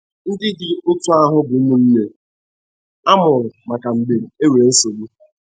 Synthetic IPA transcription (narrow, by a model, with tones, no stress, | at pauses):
n̩˦dɪ˦dɪ˨ʊ˦tʊ˦a˦ɦʊ˦bʊ˨˦mʊ˨n̩˦ne˦ | a˦mʊ˨ɾʊ˨ma˨ka˨ŋ͡m̩˨ɡ͡be˨ɾe˨e˦we˨ɾe˨n̩˦so˨ɾu˦